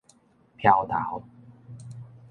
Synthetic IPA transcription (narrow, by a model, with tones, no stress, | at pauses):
pʰja˧˩wt̪ʰa̰ː˨˩˦w